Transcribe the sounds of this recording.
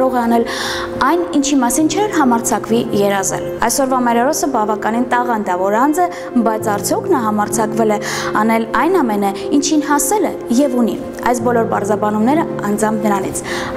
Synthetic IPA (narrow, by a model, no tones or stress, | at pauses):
ɾɔʁɛɑnɛl | ɑjnint͡ʃʰimɑsint͡ʃʰɛɾɦɑmɑɾt͡sʰɑkvijɛɾɑzɛ̰lɑ̰jsɔɾvɑmɛɾɛɾɔsəbɑvɑkɑnint̪ɑʁɑnd̪ɑvɔɾɑnd͡zɛ | bɑjt͡sʰɑɾt͡sʰjɔkʰnɑɦɑmɑɾt͡sʰɑkvɛlɛ | ɑnɛlɑjnɑmɛnə | int͡ʃʰinɦɑsɛlɛ | jɛvunḭ | ɑjsbɔlɔɾpɑɾzɑbɑnumnɛɾə | ɑnd͡zɑmbnəɾɑnḭt͡sʰ